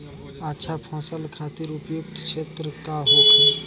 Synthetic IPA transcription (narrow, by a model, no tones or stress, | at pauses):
atːʃʰapʰɔ̃ːsəlkʰat̪ɪɾʊpjuk̚t̪kʃʰeːt̪ɾəkaɦoka